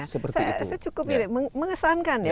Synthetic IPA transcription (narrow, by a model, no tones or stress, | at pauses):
səpəsajsajat͡ʃukʊp̬inməməŋəsankanja